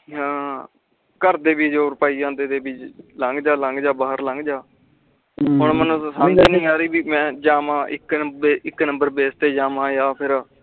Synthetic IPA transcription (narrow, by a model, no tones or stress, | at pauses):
ɦãː | kəɾd̪eːbiːd͡ʒoːɾpaːiːãːnd̪eːd̪eːbɪt͡ʃlə̃ŋɡd͡ʒaːlə̃ŋɡd͡ʒaːbaːɦəɾlə̃ŋɡd͡ʒaː | ɦʊɳmənũːsaːnd͡ʒeːnĩːaːɾiːbiːmɛ̃ːd͡ʒaːmãːʔɪkbeːɪkːnəmbəɾbeːst̪eːd͡ʒaːmãːjaːpʰɪɾ